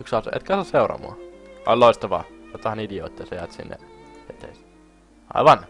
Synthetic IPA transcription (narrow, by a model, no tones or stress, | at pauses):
yksɑpsʔḛt̪kæsosseˑuɾrɑ̰mṵɑo̰lloˑist̪ɑʋɑ̰ːjot̪ːɑhɑnidio̰ːt̪ʲːɑsɑjɑt̪sḭnːḛʋet̪ḛs | ɑ̰iʋɑn